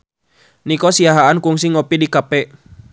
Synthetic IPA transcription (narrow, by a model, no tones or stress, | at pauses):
nikɔsiaɦaankuŋsiŋɔpidikapɛ